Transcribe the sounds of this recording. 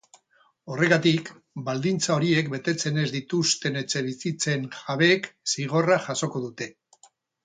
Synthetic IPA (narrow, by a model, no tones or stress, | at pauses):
o̞re̞ɣat̪ik | bald̪int͡sao̞ɾie̞kbe̞t̪e̞t͡se̞ne̞zd̪it̪ust̪e̞ne̞t͡se̞βisit͡se̞ŋxaβe̞ksiɣ̞o̞raʝaso̞ko̞ðut̪e̞